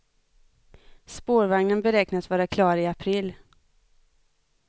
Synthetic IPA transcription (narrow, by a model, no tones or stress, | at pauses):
spoːɾvaŋnənbɛɾɛknat̪vɑːɾakʰlɑːɾɪapʰɾil